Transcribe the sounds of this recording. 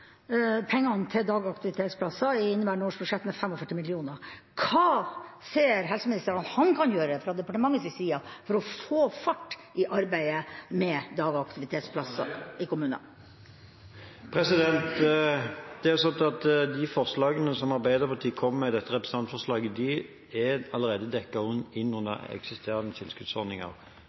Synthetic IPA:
pʰɛŋːɑnt̪ʰɪld̪ɑːɡɑkt̪ɪʋɪt̪ʰeːt̪spʰlɑsːɑɪɪnːəbæːɳoːʂbʉʂɛt̪ːmɛfɛmɔfœʈːɪmɪlɪuːnə | kʰɑːseːɾɦɛlsəmɪnɪst̪əɾɑnɑt̪hɑnkʰɑnjøːɾəɛfɾɑd̪ɛpɑʈəmɑŋːəsɪsiːɑfɔɾɔfoːfɑʈːʔɪʔɑɾbæɪəmɛd̪ɑːɡɑkt̪ɪʋɪt̪ʰeːt̪spʰlɑsːɑ̰ɪkʊmʉːnə̰ | pʰʁɛsɪd̪ɛnt̪ | d̪̥ɛæsɔnt̪ɑt̪d̪ɪfɔʁslɑːɡənəsɔmɑʁbæɪd̪əʁpʰɑt̪ʰiːkʰɔmːmɛd̪ɛt̪ːəʁɛpɾəsɑnt̪fɔʁslɑːɡəd̪ɪ | ɛɑləɾeːd̪əd̪ɛkːɑʊnɪnːʊnə̰ɛ̰ksɪst̪eːʁɑnət̪ʰɪlskʉt̪sɔʁnɪŋɑ̰ʁ

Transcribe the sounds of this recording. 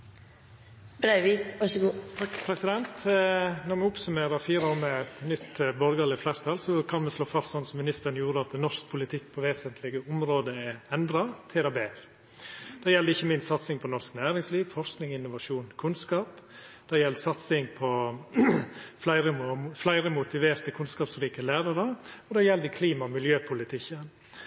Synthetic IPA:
bɾæɪʋiːkɑʃəɡuːt̪ʰɑkːpʰɾɛsɪd̪ɛnt̪nɔɾmɛʊpsʉmeːɾəfiːɾoːɾmɛɛt̪nʏt̪ːbɔɾɡɑlɪflæːɾt̪ʰɑlsɔkʰɑnmɛsloːfɑst̪sɔnsɔmːɪnɪst̪əɾənjuːɾəɑt̪̚d̪ɛnɔʂk̚pʰʊlɪt̪ʰɪkːpʰɔʋeːsənt̪ʰlɪɡəʊmɾoːd̪əɛɛnd̪ɾɑt̪ʰɪɾɑbeːɾ | d̪̥ɛjɛld̪əɪçːəmɪnst̪sɑt̪sɪŋpʰɔnɔɾsknæːɾɪŋsliːʋfɔɾsknɪŋɪnːʊʋɑʂuːnkʰʉnskɑːp | d̪̥ɛjɛləsɑt̪sɪŋpʰɔ | flæɪɾəflæɪɾəmʊt̪ɪʋeːɾt̪əkʰʉnskɑːpsɾiːkəlæːɾɑɾəɔd̪ɛjɛld̪əkʰliːmɑmɪljøːpʰʊlɪt̪ʰɪçən

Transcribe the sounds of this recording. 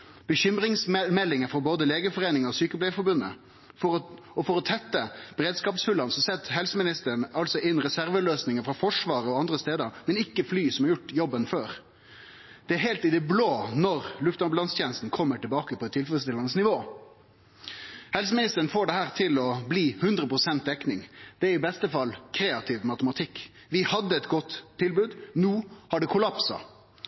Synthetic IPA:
b̥əçʏmɾɪŋsmɛlːɪŋəfɔɾboːd̪əleːɡəfɔʁeːnɪŋəɔsyːkəplæɪfɔɾbʉnə̰ | fɔɾɔ | ɔfɔɾɔt̪ʰɛt̪ːəb̥əɾeːd̪skɑːpsfʉlɑnsɔsɛt̪ːɦɛlsəmɪnɪst̪əɾɳɑlsɔʔɪnʁɛsæɾʋəløːsnɪŋəfɾɑfɔʂʋɑːɾəɔɑnd̪ʁəst̪eːd̪əɾmɛnɪkːəflyːsɔmɑɾjʊʈːjɔbːənføːɾ | d̪̥ɛæɾɦeːlt̪ɪd̪ɛbloːnɔɾlʉft̪ɑblɑnst̪ʰjeːnəst̪n̩kʰɔmːəʈɪlbɑːkəpʰɔt̪ʰɪlfɛləst̪ɪlɑnəsnɪʋoː | hɛls̬əmɪnɪst̪əɾən̩foːɖɛhæːɾt̪ʰɪlɔbliːhʉnd̪ɾəpɾʊsɛnt̪̚d̪ɛknɪŋd̪̥ɛæɾɪbɛst̪əfɑlːkʰɾeːɑt̪ʰɪʋmɑt̪əmɑt̪ʰɪkː | ʋɪhɑd̪ːəɛt̪ɡɔt̪ʰːɪlbʉːd̪nuːhɑɖɛkʰʊlɑpsɑ̰

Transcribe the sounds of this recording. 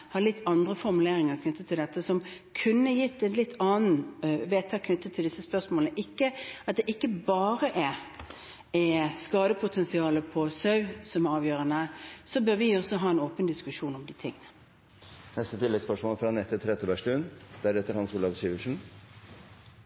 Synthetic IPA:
hɑlɪt̪ʰːɑnd̪ʁəfɔɾmʉleːɾɪŋəɾkʰnʏt̪ʰːət̪ʰɪld̪ɛt̪ːəsɔmkʰʉnːəjɪt̪ːɛt̪lɪt̪ʰːɑːnn̩ʋeːt̪ʰɑːkʰnʏt̪ːət̪ʰɪld̪ɪsːəspœʂmoːlnəʔɪkːəɑt̪̚d̪ɛʔɪkːəbɑːɾəʔɛ | ɛskɑːd̪əpʰʊt̪ʰɛnsɪɑːləpʰɔsœʉsɔmæɾɑːʋjøːɾənəsɔbøːɾʋɪɔsɔɦɑːɛnoːpənd̪ɪskʉʂuːnɔmd̪ɪt̪ʰɪ̰ŋːənə | nɛst̪ət̪ʰɪlɛɡspœʂmoːlfɾɑnɛt̪ʰːɪt̪ʰɾɛt̪əbæʂʈʉːnd̪̥æɾɛt̪ːəɾhɑnsuːlɑʋsyːʋəlʂn̩

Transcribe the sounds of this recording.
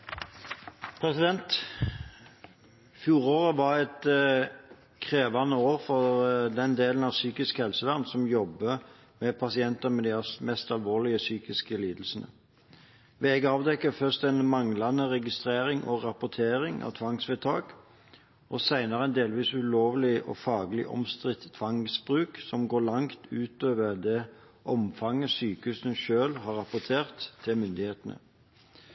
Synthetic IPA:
pʰɾɛsɪd̪ɛnt̪ | fjuːɾoːʁəʋɑɾɛt̪ | kʰʁeːʋɑnəoːɾfɔʁd̪ɛnd̪eːlən̩ɑʋsyːkɪskhɛlsəʋæʁnsɔmjɔbə | mɛpʰɑsɪɛnt̪əmɛd̪ɪɑsmɛst̪ɑlʋoːlɪəsyːkɪskəliːd̪əl̩snə̰ | ʋɛɛɡɑːʋd̪ɛkːəfœʁst̪ɛnmɑŋlɑnəʁɛɡɪst̪ʁeːɾɪŋʔɔʁɑpʊt̪ʰeːɾɪŋʔɑ̰ʋt̪ʰʋɑŋsʋɛːt̪ʰɑːɡ | ʔɔsæɪnɑʁəɛnd̪eːlʋiːsʉloːʋlɪʔɔ̰fɑːɡlɪ̰ʔɔ̰mst̪ʁɪt̪t̪ʰːʋɑŋsbʁʉːksɔmɡoːlɑŋt̪ʰʉːt̪øːʋəʁd̪ɛ | ʔɔmfɑŋːəsyːkəʉsənʃøːlhɑːɾɑpʊt̪ʰeːʁt̪ʰːɪlmʏnd̪ɪheːt̪ənə̰

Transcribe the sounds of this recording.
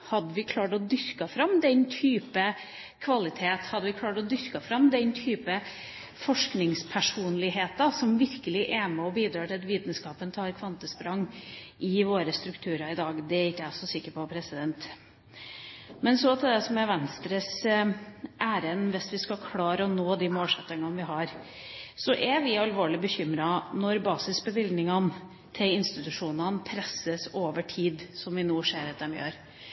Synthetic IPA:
hɑd̪ːəʋɪkʰlɑːʈɔd̪ʏɾkɑfɾɑmːd̪ɛnt̪ʰyːpə | kʰʋɑlɪt̪ʰeːt̪hɑd̪ːəʋɪkʰlɑːʈɔd̪ʏɾkɑfɾɑmd̪ɛnt̪ʰyːpə | fɔʂknɪŋspʰæʂuːnlɪɦeːt̪ɑsɔmʋɪɾkəlɪʔɛmɛɔbiːd̪ɾɑːʈɪlɑt̪ʋiːt̪n̩skɑːpənt̪ʰɑːɾkʰʋɑnt̪əspɾɑŋːʔɪʋoːɾəst̪ɾʉkt̪ʰʉːɾɑɪd̪ɑːɡd̪ɛɾɪkːəæɪɔsɔsɪkːəpɔpʰɾɛsɪd̪ɛnt̪ | mɛnsɔt̪ʰɪd̪ɛsɔmɛʋɛnst̪ɾəs | ʔæːɾənʋɪsʋɪskɑkʰlɑːɾəɔnoːd̪imoːlʂɛt̪ːəŋɑnʋɪɦɑɾ | sɔʔɛʋɪɑlʋoːɭɪbəçʏmɾɑnɔɾbɑːsɪsbəʋɪld̪nɪŋɑn | t̪ʰɪlɪnst̪ɪt̪ʉʂuːnɑnpʰɾɛsəsoːʋəʈʰiːd̪sɔmʋɪnuːʂeːɾɑt̪̚d̪ɛmjø̰ːɾ

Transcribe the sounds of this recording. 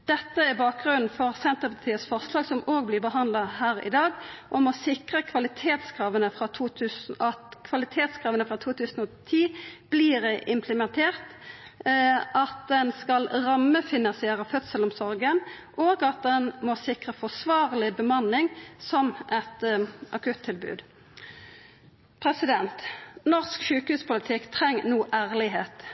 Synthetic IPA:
d̪̥ɛt̪ːəæʁbɑːk̚ɡʁʉnn̩fɔʁsɛnt̪əpɑʁt̪ʰiːət̪sfɔʁslɑːɡsɔmoːɡ̚blɪbəɦɑnd̪lɑhæːʁɪ̰d̪ɑːɡʔɔmɔsɪkʁəkʰʋɑlɪt̪ʰeːt̪skʰʁɑːʋənəfʁɑt̪ʰuːt̪ʰʉːsɑt̪kʰʋɑlɪt̪ʰeːt̪skʰʁɑːʋənəfʁɑt̪ʰuːt̪ʰʉːsn̩ɔt̪ʰiːb̥liːʁʔɪmpʰləmɛnt̪ʰeːʁt̪ | ʔɑt̪̚d̪ɛnskɑlʁɑmːəfɪnɑnsɪeːʁəfœt̪səlʊmsɔɾɡənʔoːɡɑt̪̚d̪ɛnmosɪkʁəfɔsʋɑːʁlɪbəmɑnlɪŋsɔmʔɛt̪ʔɑkʰʉt̪ʰːɪlbʉ̰ːd̪ | pʰʁɛsɪd̪ɛnt̪nɔʁskʃʉːkhʉːspʊlɪt̪ʰɪkt̪ʰʁɛŋːnuːʔæːʁlɪɦeːt̪

